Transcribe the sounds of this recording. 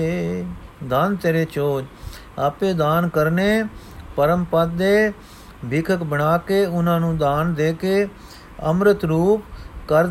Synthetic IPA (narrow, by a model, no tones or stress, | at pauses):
d̪aːnt̪eɾeːt͡ʃoːd͡ʒ | aːpeːd̪aːnkəɾneː | pəɾəmpət̪̚d̪eː | bʱɪkʰəkbəɳaːkeːʊnãːnũːd̪aːnd̪eːkeː | ə̰mɾət̪ɾuːpkəɾ